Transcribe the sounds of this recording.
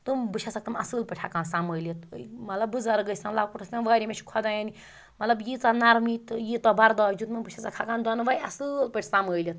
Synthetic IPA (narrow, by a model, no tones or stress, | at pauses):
t̪umbɨt͡ʃʰasakt̪ɐmɐsɨlpeʈʰakaːnsaməjlit̪mɐt̪lɐbːuzaɾɡəsʲanlaːkuʈʰɐsʲanʋaːɾʲimet͡ʃʰkʰɔd̪ajani | mɐt̪lɐbjit͡sanaɾmit̪jit̪ɔbɐɾd̪ad͡ʒut̪mɐbɨt͡ʃʰasakʰakaːnd̪ɔnʋajɐsɨlpeʈʰʲsaməjlit̪̚